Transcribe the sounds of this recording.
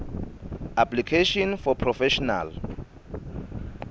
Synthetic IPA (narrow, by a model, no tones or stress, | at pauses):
apʰlikʰeʃɔ̃nfɔpʰrɔfɛʃɔna̰l